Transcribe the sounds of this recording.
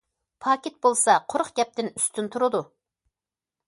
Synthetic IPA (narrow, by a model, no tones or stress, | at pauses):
pʰɑːkʲet̪̚bolˠsɑqʰoɾχɡʲɛp̚t̪ɪny̥st̪ʰynt̪ʰuɾɨd̪u